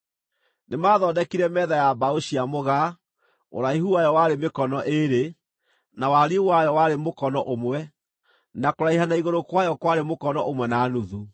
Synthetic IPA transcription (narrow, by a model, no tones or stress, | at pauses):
nemaːðɔːdɛkiɾɛmɛðajabaoɕiamoɣa | o̰ɾaiɦuwajɔwaɾemekɔnɔʔeɾe | nawaɾiwajɔwaɾemokɔnɔʔomwɛ | nakoɾaiɦanaiɣoɾokwajɔkwaɾemokɔnɔʔomwɛnaːnuðu